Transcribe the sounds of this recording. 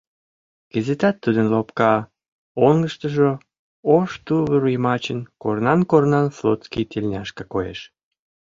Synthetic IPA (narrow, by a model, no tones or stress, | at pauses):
ɡ̥ezet̪ɑt̪ːud̪ənlopkɑ | oŋɡəʃt̪ə̆ʒo | oʃt̪uβəɾujmɑt͡ɕənkornɑnkornɑnslot̪t͡skijt̪elʲnʲɑʃkə̆kojḛʃ